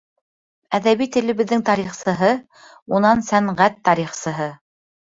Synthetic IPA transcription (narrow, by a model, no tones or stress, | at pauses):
æðæβijt̪ɘ̆lɘ̆βɘ̆ðːɘŋt̪ɑɾiχsɤ̆ɦɤ | unɑnsæɴʁæt̪ːɑɾiχsɤ̆ɦɤ